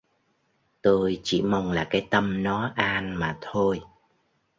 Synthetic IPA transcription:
t̪o˧jt͡ɕḭ˧˩ma˨˩wŋ͡mlaː˨˩kaː˨˦jt̪ə˧mnɔ˨˦ʔaː˧nmaː˨˩t̪ʰo˧j

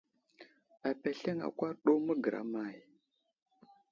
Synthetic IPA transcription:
a˨pe˨ɬe˦ŋa̰˨kʷa˦ɾɗo˦mə˦ɡə˨ɾa̰˨ma˨j

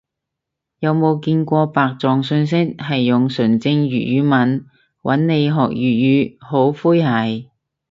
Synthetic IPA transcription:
jɐ˨˧wmo˨˧wkiː˧nkʷɔː˧paː˨k̚t͡sɔː˨ŋsɵ˧ns̬ɪ˥k̚ɦɐ˨jːʊ˨ŋsɵ˨˩nt͡sɪ˧ŋjyː˨˩t̚jyː˨˧mɐ˨˩n | wʔɐ˨˥nne˨˧jɦɔː˨k̚jyː˨t̚jyː˨˥ho˨˥wfuː˥jhaː˨˩j

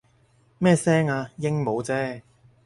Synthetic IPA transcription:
mɛː˥˩sɛː˥ŋaː˧jɪ˥ŋmo˨˧wt͡sɛː˥

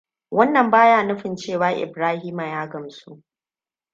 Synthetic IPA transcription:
wɐ˦nːɐ˨mbaː˦jaː˦nʊ˦ɸɪ˨nt͡ʃeː˦˨waː˦ʔɪ̰˨bɾaː˦hiː˦ma˨jaː˦ɡɐ˨msu˦ʔ

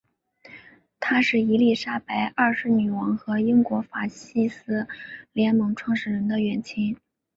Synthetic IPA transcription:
t̪ʰa˥ʂɻ̩˥˩i˧˥li˥˩ʂa˥pa˧˥ɪʔɐ˥˩ʂɻ̩˥ny˨˩wɑ˧˥ŋxɤ˧˥i˥ŋkwɔ˧˥fa˨˩ɕi˥sɹ̩˥ljɛ˧˥nmɤ˧˥ŋʈ͡ʂʰwɑ˥˧ŋʂɻ̩˨˩ɻə˧˥nd̪ə˧ɥɛ˨˩nt͡ɕʰi˧˥n

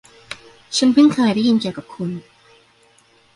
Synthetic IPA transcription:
t͡ɕʰa˧˥npʰɯ˥˩ŋkʰaː˧jdaː˥˩ji˧nki˨˩əwka˨˩p̚kʰu˧n

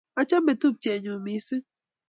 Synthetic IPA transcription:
a˨t͡ʃa˦me˨tu˦p̚t͡ʃɛ˨ɲũ˨mi˨˦se˦

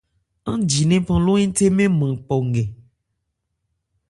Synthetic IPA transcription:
ã˦d͡ʒi˨nẽ˦pã˨lõ˦ɲĩ˦t̪e˦mẽ˦mã˨k͡pɔ˨ŋ˨ɡɛ˨

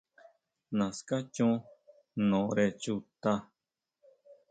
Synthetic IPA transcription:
nã˨ska˦t͡ʃũ˦ | nõ˨ɾe˧t͡ʃu˧t̪a˧

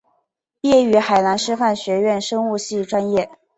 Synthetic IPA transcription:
pjɛ˥˩y˧˥xa˨˩ɪna˧˥nʂɻ̩˥fa˥˩nɕɥɛ˧˥ɥɛ˥˩nʂɤ˥ŋu˥˧ɕi˥˧ʈ͡ʂwa˥njɛ˥˩

